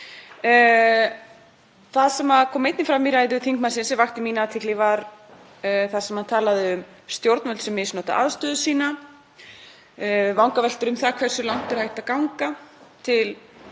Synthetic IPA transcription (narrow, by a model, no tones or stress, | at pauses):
θaðsɛmaðkʰɔːmejt̪nɪfɾaːmiɾaːjðʏθiŋk̚masɪnsɛvaxt̪ɪmiːnat̪ʰɪklɪvaɾ | θaðsɛmhant̪ʰaːlaðɪʏm | st̪jowɾt̪nvɛlt̪sɛmːɪsnɔːt̪a̰ʔaðst̪ʏːðʏsiːna | vawŋkavɛl̥t̪ʏɾʏmθakʰvɛr̥sʏlawŋ̥t̪ʏɾ̥hajht̪akawŋkat̪ʰɪl